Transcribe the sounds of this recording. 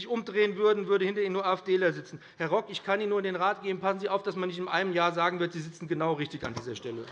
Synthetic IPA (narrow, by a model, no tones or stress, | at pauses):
ɪçʔʊmdʁeːənvʏɐdn̩vʏɐɾəhɪntɐiːnuːɐʔaːɪfd̥eːlɐɐzɪt͡sn̩hɛɐʁɔkɪçkʰaniːnːuːɐɪndeːnʁaːt̚ɡ̥eːənpʰasn̩ziːʔaʊfd̥asmanːɪçtɪmʔa̰ɪməmjaːɐzaːɡŋ̩vɪɐtz̥iːzɪt͡sn̩ɡənaʊʁɪçtɪça̰ndiːzɐʃtɛlə